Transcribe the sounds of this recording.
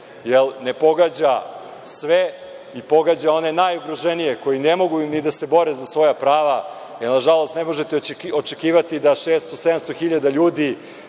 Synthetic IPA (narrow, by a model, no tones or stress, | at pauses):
jelne̞po̞ɡad͡ʑa | sʋe | ipo̞ɡaːd͡ʑao̞ne̞najuɡɾoʒenijeko̞jinemo̞ɡunid̪ase̞bo̞ɾezasʋo̞japɾaːʋa | jelnaʒalˠo̞st̪nemo̞ʒet̪eot͡ʃekiːʋat̪id̪aʃeːst̪osed̪amst̪oxiʎad̪aʎuːd̪i